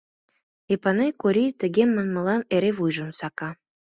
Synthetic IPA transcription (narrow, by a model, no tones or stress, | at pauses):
epɑnejkoɾit̪ə̆ɣemːənmə̆lɑneɾeβujʒə̆nsɑkɑ